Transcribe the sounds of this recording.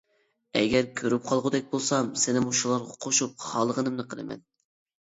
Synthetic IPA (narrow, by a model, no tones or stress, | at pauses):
ɛ̰ɡʲɛɾkʲʰøɾyp̚qʰɑlˠʁʊd̪ɛk̚ʲbolˠsɑmsɪnɪmuʃulˠɑɾʁɑqʰoʃup̚χɑlˠəʁənɨmnɨqʰəlˠɨ̰mɛ̰n